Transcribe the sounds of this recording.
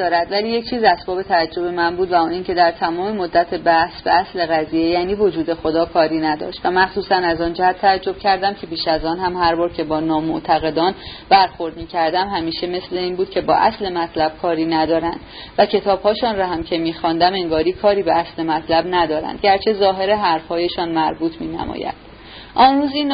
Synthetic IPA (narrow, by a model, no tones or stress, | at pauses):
ɒːɾæd̪væliːje̞ct͡ʃʰiːzæsbɒːbe̞t̪ʰææd͡ʒːo̞be̞mænbuːd̪væuːniːncʰe̞d̪æɾt̪ʰæmɒːmemod̪ːæt̪ʰe̞bæhsbe̞̰æsle̞ɣæziːjejæːniːvo̞d͡ʒuːd̪e̞xo̞d̪ɒːkʰɒːɾiːnæd̪ɒ̰ːʃt̪væmæxsuːsænæzɒːnd͡ʒæhæt̪ʰːææd͡ʒːob̥cʰæɾd̪æmcʰe̞piːʃæzɒːnhæmhæɾbɒːɾcʰe̞bɒːnɒːmoʔt̪ʰæɣe̞d̪ɒːnbæɾxo̞ɾd̪miːcʰæɾd̪æmhæmiːʃe̞me̞sle̞iːnbuːd̪̥kcʰe̞bɒ̰ːʔæ̰sle̞mæt̪ʰlæb̥̚kʰɒːɾiːnæd̪ɒːɾænd̪̥ | væcʰe̞t̪ʰɒːbhɒːʃɔːnɾɒɦæmcʰe̞miːxɒnd̪æme̞ŋɡɒːɾiːkʰɒːɾiːbeæsle̞mæt̪ʰlæbnæd̪ɒːɾæ̰nd̪̚ɟæɾt͡ʃʰe̞zɒːɦe̞ɾe̞ɦæɾfhɒːje̞ʃɒːnmæɾbuːt̪ʰmiːnæ̰mɒ̰ːjæ̰nd̪̥ | ʔɒːnruːziːn